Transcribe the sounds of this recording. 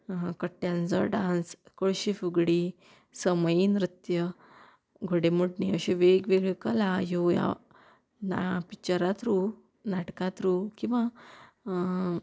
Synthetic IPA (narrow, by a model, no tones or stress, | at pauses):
kəʈːjãnt͡sə̰ɖãnskoɭɕifuɡɽi | səməjiːnɾut̪jə | ɡʱoɽemuɽniəɕeʋeɡʋeɡɭekəlajoja̰ | na̰pit͡ɕəɾat̪ɾu | naʈkãt̪ɾukĩw̃ʋa